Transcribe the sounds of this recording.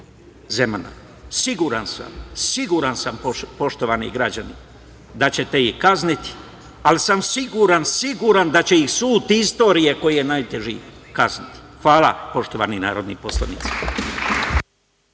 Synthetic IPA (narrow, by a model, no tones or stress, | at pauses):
zemana̰ | siɡuɾansa̰msiɡuɾansampo̞ʃt̪o̞ʋanḭɡɾad͡ʑani | d̪at͡ɕe̞t̪e̞ihkaznit̪i̥ | alisamsiɡuɾansiɡuɾand̪at͡ɕe̞ixsuːt̪ist̪o̞ːɾijeko̞jijenajt̪e̞ʒḭkaznit̪i̥xʋaːla̰po̞ʃt̪o̞ʋa̰nina̰ːɾo̞d̪nḭposlˠa̰nḭt̪si̥